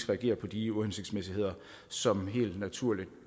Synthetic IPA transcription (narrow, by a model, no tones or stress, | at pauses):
ɡ̥ʁɛæɡ̥e̝̰ːɐpʰɒ̽d̥iuhense̝ɡ̥̚d̥smesihe̝ð̞̰ˠɐ | sɒ̽mɦe̝̰ːld̥næt͡sʰuɐ̰lid̥